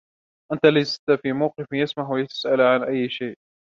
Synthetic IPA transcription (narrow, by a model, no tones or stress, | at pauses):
ʔant̪alajzɪt̪afiːmawqɨfjasmahwajat̪ḁsʔalʕanʔajːʃaːʔ